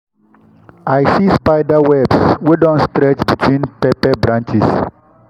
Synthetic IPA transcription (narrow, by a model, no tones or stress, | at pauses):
ajsispaɪdawɛbswedɔ̃nstɾɛt͡ʃbitʰwĩnpɛpɛbɾãnt͡ʃis